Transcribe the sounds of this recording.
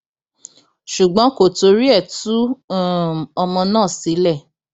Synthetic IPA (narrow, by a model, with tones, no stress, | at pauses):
ʃu˨ɡ͡bɔ̃˨˦ko˨to˨˧ɾi˦ɛ˦˨tu˦˨ | ɔ˧mɔ̃˧nãː˦˨si˨˦lɛ˦˨